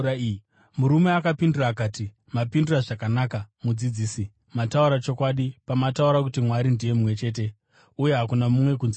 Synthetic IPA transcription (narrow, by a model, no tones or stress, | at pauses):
muɾume̞akapinduraːkaːti | mapinduraʐakanaːkamud͡zid͡ziːsi | matauɾat͡ʃo̞kwaɗipamatauɾak̬utimwaɾindije̞mumwe̞t͡ʃe̞ːt̬e̞ | uje̞ɦakunamumwe̞kunzi